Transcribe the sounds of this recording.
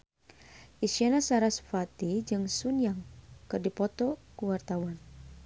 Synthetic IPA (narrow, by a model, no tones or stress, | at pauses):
ʔisianasaɾasfat̪id͡ʒɨŋsunjaŋkɨrdipɔt̪ɔkuwart̪awan